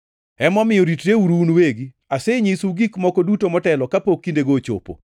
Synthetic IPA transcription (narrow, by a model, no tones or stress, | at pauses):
ɛmɔmɪjɔɾitɾeuɾunweɡi | aseɲisuɡikmɔkɔdutomɔtɛlɔkapokːindeɡot͡ʃo̰po̰